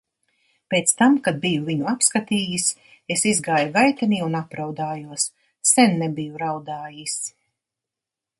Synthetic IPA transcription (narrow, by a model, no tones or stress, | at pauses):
pʲeːt̪st̪amkad̪̚bijuviɲuapskat̪iːjis | esizɡaːjuɡajt̪aniːunapɾawd̪aːjuɔs | sɛnːɛbijuɾawd̪aːjis